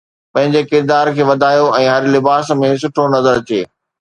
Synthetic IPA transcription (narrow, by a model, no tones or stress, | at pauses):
pɐ̃ɦɪ̃ɲd͡ʑekɪɾd̪aːɾkʰeːʋɐd̪ʱaːjoɛ̃ːɦɐɾlɪbaːsmẽs̬ʊʈʰonɐzəɾt͡ɕeː